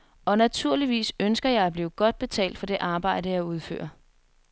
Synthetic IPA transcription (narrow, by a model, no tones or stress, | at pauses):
ɒ̽næt͡sʰuɐ̰liʋḭːsønsɡ̥ɐjɑ̈ɪæb̥liːʊɡ̥ɒ̽d̥̚b̥e̝t͡sʰɛ̰ːld̥fɒ̽d̥e̝ʔɑ̈ːb̥ɑ̈ɪ̰ɾəjɑ̈ɪuð̞ˠfø̰ːɐ